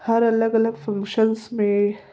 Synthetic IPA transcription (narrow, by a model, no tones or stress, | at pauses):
haɾalaɡalaɡfaŋkʃansme